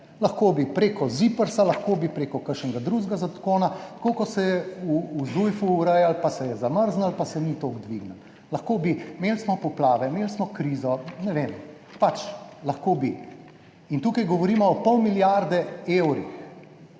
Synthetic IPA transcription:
laxkoːbipɾeːkɔzipəɾsalaxkoːbipɾeːkɔkəɾʃnɛɡad̪ɾuʒɡazat̪koːnat̪kokɔsɛjɛuːzujfuːɾəjalpasɛjɛzaməɾznalpasɛnit̪oɡd̪ʋiɡnəl | lɐxkoːbimeːlsmɔpɔplaːʋɛmeːlsmɔkɾizɔnɛʋem | pat͡ʃlɐxkobi | int̪uːkajɡɔʋɔɾiːmɔɔpɔwmiljaɾd̪ɛewɾḭx

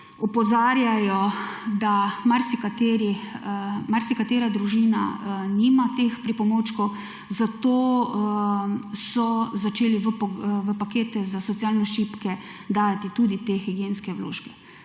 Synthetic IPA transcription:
ɔpɔzaːɾjajɔd̪amaɾsikat̪eːɾixmaɾsikat̪eːɾad̪ɾuʒina̰nimat̪expɾipɔmoːt͡ʃkɔw | zat̪oː | sɔzat͡ʃeːliʋəʋəpakeːt̪ɛzasɔt̪sijalnɛʃipkɛ | d̪aːjat̪it̪uːd̪it̪exiɡjeːnskɛʋwlo̰ːʃkɛ

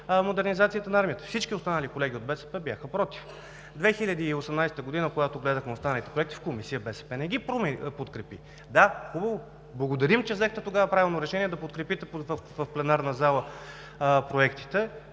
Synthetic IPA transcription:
mod̪ɛɾnizat̪sijət̪ənɐaɾmiət̪ə̥fsit͡ʃkʲiost̪anəlikolɛɡ̟ʲiod̪̚bɛsɛpɛbjaxəpɾɔt̪i̥f | d̪vɛxilʲəd̪iːosɛmnajst̪əɡod̪inəkoɡat̪oɡlɛd̪əxmɛost̪anəlit̪ɛ̥pɾoɛkt̪i̥fkomisijəbɛsɛ̥pɛnɛɡʲipɾmɛpot̪kɾɛpi | d̪axubəvo | blˠɐɡod̪ɐɾimt͡ʃɛzɛxt̪ɛt̪oɡavɐpɾavʲilˠnoɾɛʃɛniɛd̪ɐpot̪̚kɾɛpit̪ɛpvəfplɛnaɾnɐzalˠə | pɾoɛkt̪i̥t̪ɛ

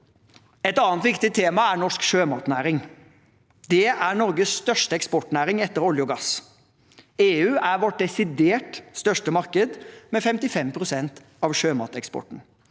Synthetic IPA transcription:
ɛt̪ɑːnt̪ʋɪkt̪ɪt̪ʰeːmɑæɾɳɔʂkʃøːmɑːt̪næːɾɪŋ | d̪ɛæɳɔɾɡəsːt̪œʂʈəɛkspɔʈnæːɾɪŋɛt̪ːəɾɔljʊɡɑs | eːʉːʔæɾʋɔʈ̚d̪ɛsɪd̪eːʈst̪œʂʈəmɑɾkəd̪mɛfɛmt̪ɪfɛmpʰɾʊsɛnt̪ | ɑʋʂøːmɑ̰ːt̪ɛkspɔ̰ʈn̩

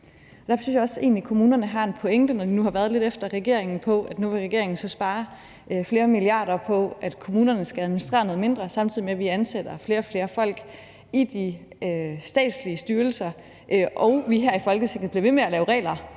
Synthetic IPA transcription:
ɒd̥æɐfɒsy̰jaɒ̽se̝̰ːnlikʰo̝muːnɐnəɦɑ̈e̝npʰɔ̽eŋd̥ənɒd̥inuhɑ̈ʋæɐð̞̩ˠle̝d̥efd̥ɐʁɛɡ̥e̝ɐ̰e̝ŋn̩pʰɒ̽ʔæd̥nuʋe̝ʁɛɡ̥e̝ɐ̰e̝ŋn̩sɒ̽sb̥ɑ̈ːɐ | fle̝ːɐmiliɑ̈ːdɐpʰɒ̽ʔæd̥kʰomuːnɐnəsɡ̥ææð̞ˠminisd̥ʁḛːɐnoðˠme̝nd̥ʁɐsɑ̈mt͡sʰiðˠimeʋiænsed̥ɐfle̝ːɐɒ̽fle̝ːɐfɒ̽l̰ɡ̥ | id̥i | øsd̥ɛ̰ːd̥sliəsd̥yːɐl̩sɐ | ʔʔɒʊʋiɦæɐ̰ifɒ̽lɡ̥əsʰeɡ̥ð̩ˠb̥liɐʋe̝meælɛːʊʁɛ̰ːlɐ

